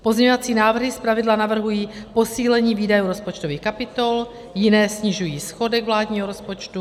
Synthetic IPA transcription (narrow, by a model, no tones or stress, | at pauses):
pozɲɛɲovat͡siːnaːvr̩ɦɪspɾavɪdlanavr̩ɦujiːpo̞siːlɛɲiːviːdajuːɾo̞spot͡ʃt̪oviːxkapɪt̪ol | jɪnɛːsɲɪʒujiːsxo̞dɛɡvlaːdɲiːɦoɾospot͡ʃt̪u